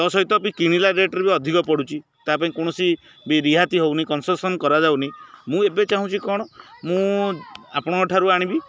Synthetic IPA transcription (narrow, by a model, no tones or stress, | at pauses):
t̪ɔsɔɦit̪ɔp̬ĩkiɽ̃ilaɾeʈɔɾbiɔd̪ʱikɔpɔɽut͡ʃʰi | t̪apaĩkoɽ̃ɔsi | biɾiɦat̪iɦownikɔnsɔsɔnkɔɾad͡ʒawnimũebet͡ʃaɦũt͡ʃʰikɔɽ̃ɔmũ | apɔɽ̃ɔ̃kɔʈʰaɾuaɽ̃ĩbi